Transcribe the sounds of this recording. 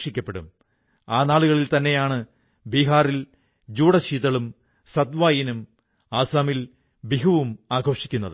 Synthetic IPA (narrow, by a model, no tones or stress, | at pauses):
ʂikʲːɐpːe̞ɽṵm | aːnaːɭuɣɐɭilt̪ɐnːe̞jaːɳɨ | biːɦaːril | d͡ʑuːɽɐɕiːt̪ɐɭum | sɐd̪ʋaːjinum | aːsaːmil | biɦɐʋumaːɡʱo̞ːʂikʲːunːɐðɨ